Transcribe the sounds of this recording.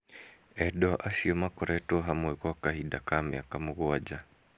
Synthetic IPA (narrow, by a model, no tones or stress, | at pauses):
ɛɗɔʔaʃiɔmakɔɾʔɛtɔɦamwɛɣwakahiɗakamɛ̰akamuɣɔad͡ʒa